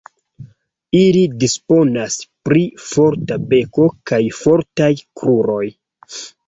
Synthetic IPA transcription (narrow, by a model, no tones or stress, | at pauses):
ilidispo̞naspɾifo̞ɾtabe̞ko̞kajfo̞ɾtajkɾuɾo̞j